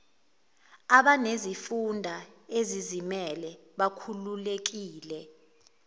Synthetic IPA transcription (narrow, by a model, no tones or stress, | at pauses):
aɓanezifundʱaezizimɛlɛɓakʰululek̬iːlɛ